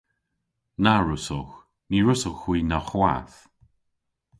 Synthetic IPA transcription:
naɹʊsɔx | niɹʊsɔxwiːnaxwa̰θ

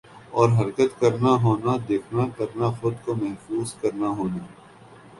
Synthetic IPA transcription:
ɔːɾɦɐɾkət̪kɐɾnaɦoːnad̪eːkʰnakɐɾnaxʊd̪komɛɦfuːzkɐɾnaɦoːnaː

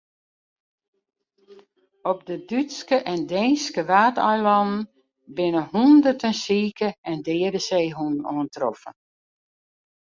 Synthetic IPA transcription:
ɔp̚dədytskəʔɛndɛjnskəʋaːtœɥlɔnn̩ | bɪnəhundərtənsiːkəɛndɪːədəseːɦunoəntrɔfə̰

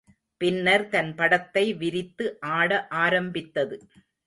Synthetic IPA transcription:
pɪnːɐɾt̪ɐnpɐɽɐt̪ːɐɪʋɪɾɪt̪ːɯʔaːɽɐʔaːɾɐmbɪt̪ːɐðɯ

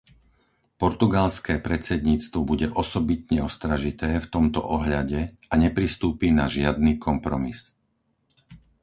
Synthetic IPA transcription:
pɔɾt̪uɡalskɛːpɾɛt͡sɛd̪ɲiːt͡st̪ʋɔbuɟɛʔɔsɔbit̪ɲɛɔst̪ɾaʒit̪ɛːft̪ɔmt̪ɔ̰ʔɔɦʎaɟɛ | aɲɛpɾist̪uːpiːnaʒɪad̪̚niːkʰɔmpɾɔmis

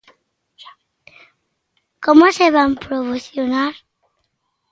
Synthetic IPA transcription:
komoseβampɾoβoθjonaɾ

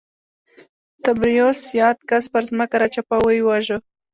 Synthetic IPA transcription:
t̪abɾijosjɑt̪̚kaspəɾzməkaɾat͡ʃapawəjwaʒə

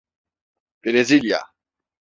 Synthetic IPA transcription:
peɾezilja̰

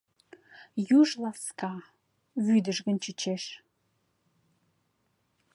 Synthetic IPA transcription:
juʒlˠɑskɑ | βyd̪əʒɣə̆nt͡ɕət͡ɕeʃ

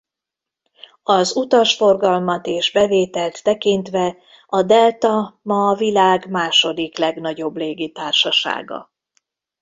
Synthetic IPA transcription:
ɒzut̪ɒʃfo̞rɡɒlmɒt̪eːʒbɛveːt̪ɛlt̪ːɛkint̪ʋɛ | ɒd̪ɛlt̪ɒmɒːvilaːɡmaːʃo̞d̪iklɛɡnɒɟo̞bleːɡit̪aːrʃɒʃa̰ːɡɒ̰

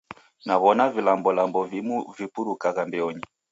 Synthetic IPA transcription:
naβɔnavilambɔlambɔvimuvipuɾukaɣambɛɔɲi

